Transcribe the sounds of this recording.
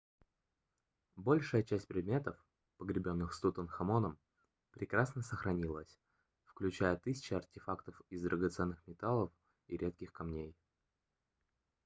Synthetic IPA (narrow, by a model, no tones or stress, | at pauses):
bo̞lʲʂɨjət͡ɕæsʲt̚ʲpɾʲɪd̪̚mʲe̞t̪əf | pəɡɾʲɪbʲo̞nːɨxst̪ut̪ənxɐmo̞nəm | pɾʲɪkɾasnəsəxɾɐnʲilˠəsʲ | fklʲʉt͡ɕæjət̪ɨsʲɪ̥t͡ɕɪɐrtʲɪfakt̪əfɪzd̪ɾʔəɡɐt̪sɛnːɨxmʲɪt̪alˠəf | iɾʲe̞t̪̚kʲɪxkɐmnʲej